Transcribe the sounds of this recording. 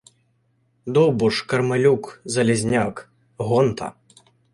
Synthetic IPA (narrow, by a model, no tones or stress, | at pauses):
d̪ɔbuʂkɐrmalʲukzɐlʲɛzʲnʲak | ɣɔnt̪ʰɐ̰